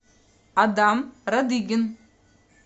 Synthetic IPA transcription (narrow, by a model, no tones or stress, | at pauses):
ɐd̪aːmɾɐd̪iɡɪn